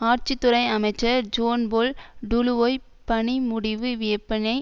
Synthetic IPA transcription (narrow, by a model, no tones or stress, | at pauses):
aːɾt͡ʃɪt̪ːʊɾɐɪɐmɐɪt͡ʃːɐɾd͡ʒoːnboːlɖʊlʋoːj | pɐɳimʊɽɪʋɯʋeːɐpːɐnɐɪ